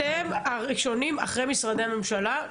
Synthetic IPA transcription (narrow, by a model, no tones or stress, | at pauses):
eemaʁiʃo̞nima̰χʁe̞jmisʁad̪e̞ame̞mʃala